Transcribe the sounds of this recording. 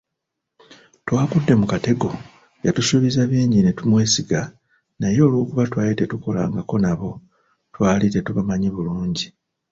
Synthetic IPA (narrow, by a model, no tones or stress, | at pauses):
twaːkudːe̞mukate̞ɡo̞ | jatusuβizaβiːɲɟine̞tumwe̞ːsiɡa | najo̞ːlwo̞ːkuβatwaːlite̞tuko̞la̰ːŋɡako̞naβo̞ | twaːlite̞tuβamaɲeβuluːɲɟi